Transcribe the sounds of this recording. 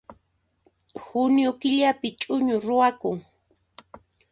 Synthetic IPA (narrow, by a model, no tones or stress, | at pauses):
hʊnjokɪʎapɪt͡ʃʼʊɲʊɾʊwakʊŋ